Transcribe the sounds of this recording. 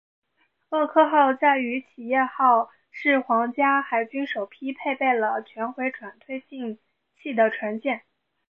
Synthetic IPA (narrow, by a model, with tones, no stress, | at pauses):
ɤ˥˧kʰɤ˥˧xɑ˥˧ʊt͡sa˥˩ɪy˧˥t͡ɕʰi˨˩jɛ˥˧xɑ˥˩ʊ | ʂɻ̩˥˩xwɑ˧˥ŋt͡ɕja˥xa˨˩ɪt͡ɕy˥nʂo˨˩ʊpʰi˥pʰe˥˧ɪpe˥˩ɪlə˩t͡ɕʰɥɛ˧˥nxwe˧˥ɪʈ͡ʂʰwa˨˩nt̪ʰwe˥˧ɪt͡ɕi˥˧ŋ | t͡ɕʰi˥˩d̪ə˩ʈ͡ʂʰwa˧˥nt͡ɕjɛ˥˩n